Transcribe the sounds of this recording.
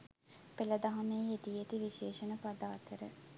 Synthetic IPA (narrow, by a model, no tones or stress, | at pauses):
pelɐd̪ɐɦɐmeet̪ijet̪iʋiʃeːʃənəpad̪aːt̪əɾə̰